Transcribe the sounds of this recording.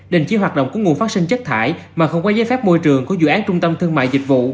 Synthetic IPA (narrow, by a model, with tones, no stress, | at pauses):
ɗe˨˩ŋt͡ɕi˨˦ɦaː˨˩t̚ɗə̰˧˨wŋ͡mku˧˩˦ŋu˨˩əfaː˦˥t̚sï˧ŋt͡ɕə˦˥t̚t̪ʰa̰ː˧˩j | maː˨˩xə˧wŋ͡mkwaː˧˦zaː˨˦jfɛ˦˥p̚mo˧jt͡ɕɨ˨˩əŋku˨˩˦zṵ˧˨ʔaː˨˦nt͡ɕʊ˧ŋ͡mt̪ə˧mt̪ʰɨ˧əŋma̰ː˧˨jzï˨˩k̟̚vṵ˧˨